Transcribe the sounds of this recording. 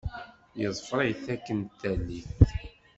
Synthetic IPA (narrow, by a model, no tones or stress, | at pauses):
jəzˤfɾˤiθækːənt̪ːælːiθ